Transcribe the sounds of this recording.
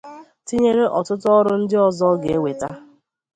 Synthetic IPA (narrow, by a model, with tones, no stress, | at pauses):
ti˦ɲe˦ɾe˦ʔɔ˨tʊ˦tʊ˦ɔ˦ɾʊ˦n̩˦dɪ˦ɔ˦zɔ˦ɡe˨e˦we˨ta˦